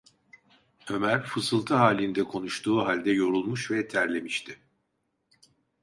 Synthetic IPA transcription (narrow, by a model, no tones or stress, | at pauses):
ø̞mæɾfɯsɯlˠt̪ʰɯɦaːlʲind̪ɛkʰo̞nuʃt̪ʰuːɦalʲd̪ɛjo̞ɾulˠmuʃvɛt̪ʰæɾlʲe̞miʃt̪ʰɪ